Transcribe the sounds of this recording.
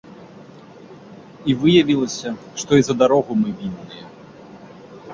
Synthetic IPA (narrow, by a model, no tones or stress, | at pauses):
ivɨjɐvʲilˠɐsʲɐ | ʂt̪ɔizɐd̪aɾɔɣumɨvʲinːɨjɐ